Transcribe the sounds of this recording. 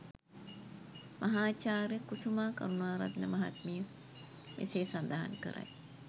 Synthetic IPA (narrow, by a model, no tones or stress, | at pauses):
mʔɐɦaːt͡ʃaːɾjəkusumaːkɐ̰ɾunaːɾɐt̪nəmɐɦa̰t̪mijə | ʋʔḭseːsɐnd̪ɐɦa̰nkə̰ɾʔa̰j